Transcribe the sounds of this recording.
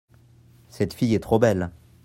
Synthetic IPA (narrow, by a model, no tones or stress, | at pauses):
sɛt̪fijɛt̪χobɛl